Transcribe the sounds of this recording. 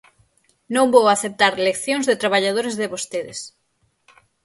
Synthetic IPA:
nõŋbowaθep̚t̪aɾlekθjõŋzðet̪ɾaβ̞aʎað̞oɾezðeβost̪eðɪs

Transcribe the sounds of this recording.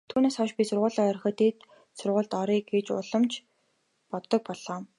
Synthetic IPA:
t̪ʰuːneːsɔʃpʲisʊrʁʊːɮɔːœɾ̆χə̆t̪ʰeːt̪ | sʊrʁʊːɮt̪ɔɾiːkɡet͡ɕʊ̰ɮə̆mt͡ɕʰ | pɔt̪ːɞ̆k̚pɔɮɔː

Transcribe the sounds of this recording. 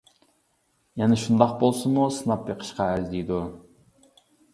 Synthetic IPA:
jɛnɛʃund̪ɑqbolˠsɨmusɨnɑpjeqʰə̥ʃqɑæɾzd̪ijd̪u

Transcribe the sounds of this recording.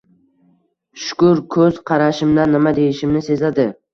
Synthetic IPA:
ʃʊ̥kʊɾkʰɵz̥qʰɑɾaʃɪmd̪anːɪmad̪ejɪʃɪmnɪse̞zad̪ɪ

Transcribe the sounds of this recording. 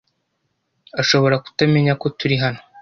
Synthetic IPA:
aʃo̞βo̞ɾaku̥tame̞ɲako̞tuɾiɦano

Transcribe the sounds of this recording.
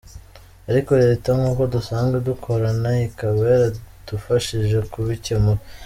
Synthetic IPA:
aɾiko̞ɾeɾetaŋɡuːko̞dusaːŋɡedukʰo̞ɾanaikaβe̞ɾad̥ufaʃiʒe̞kuβicemuɾe

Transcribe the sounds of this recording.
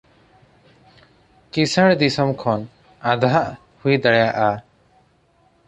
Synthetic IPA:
kisəɽd̪isɔmkʰɔn | ad̪aɦaʔ | hujd̪aɽɛjaʔa

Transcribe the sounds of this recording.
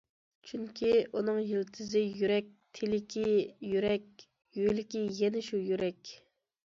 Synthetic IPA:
t͡ʃʰyŋkʲʰiʔunɨŋjilt̪ʰɪzɪjyɾɛk̚ʲt̪ʰelɪkʲʰijyɾɛk̚ʲ | jøjlɪkʲijɛnɪʃujyɾɛkʲ

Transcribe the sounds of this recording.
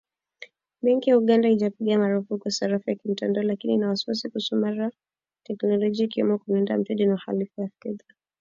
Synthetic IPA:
ɓɛŋkijauɠandaid͡ʒapiɠamaɾufukuasaɾafujakim̩tandaɔlakininawasi̥wasikusɔmaɾa | tɛknɔlɔʄiaikiwɛ̰mɔkunɛnda̰m̩tɛdinauxa̰lifujafɛða

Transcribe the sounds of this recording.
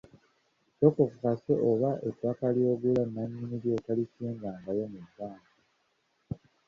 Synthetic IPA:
tokokukaseʔoβaʔetwakaljo̞ːɡulanːaɲːiniɾjo̞talisiːŋɡaːŋɡajo̞mudːaːŋɡa

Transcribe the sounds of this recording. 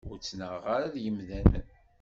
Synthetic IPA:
ʊɾt͡sːnəʁaɾaðjəmðænə̰n

